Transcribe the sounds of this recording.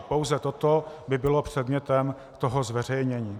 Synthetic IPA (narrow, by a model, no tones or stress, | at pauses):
po̞wzɛt̪ot̪obɪbɪlo̞pr̝̥ɛd̪mɲɛt̪ɛm | t̪o̞ɦozvɛr̝ɛjɲɛɲiː